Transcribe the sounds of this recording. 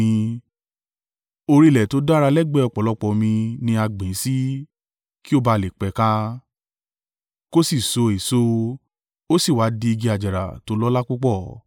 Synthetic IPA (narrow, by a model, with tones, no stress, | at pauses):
ĩ˧ | o˧ɾi˦˧˨lɛ˨to˨˦da˦ɾa˧lɛ˦ɡ͡bɛ˦˨ɔ˧˨k͡pɔ˨lɔ˨˦k͡pɔ˨mĩ˧nĩ˧a˧ɡ͡bĩ˨˦si˦ | ki˦o˦˨ba˧˨le˨k͡pɛ˨˦kã˦ | ko˦si˦˨so˨˧e˨so˦ | o˦si˦˨wa˨˦di˧i˧ɡi˧a˨d͡ʒa˨ɾa̰˨to˨˧˦lɔ˦la˦k͡pu˦k͡pɔ˦˨